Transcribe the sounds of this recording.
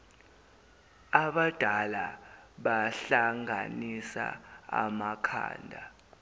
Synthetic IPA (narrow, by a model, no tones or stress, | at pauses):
aɓad̥ʱalaɓaɬaŋʱanisa̰a̰makʰa̰ːndʱa